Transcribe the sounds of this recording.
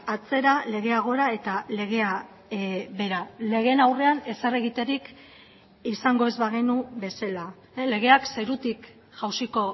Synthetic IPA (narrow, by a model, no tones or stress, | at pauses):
at͡se̞ɾale̞ɣe̞aɣ̞o̞ɾae̞t̪ale̞ɣ̞e̞a | βe̞ɾale̞ɣ̞e̞nawre̞ane̞sare̞ɣit̪e̞ɾik | isaŋɡo̞e̞zβaɣ̞inube̞sela | le̞ɣ̞e̞akse̞ɾut̪ik | ʝawsiko̞